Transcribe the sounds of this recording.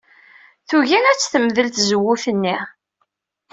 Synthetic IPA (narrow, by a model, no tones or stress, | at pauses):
θuʝinæt͡sːθəməðəlθzəwːuθənːi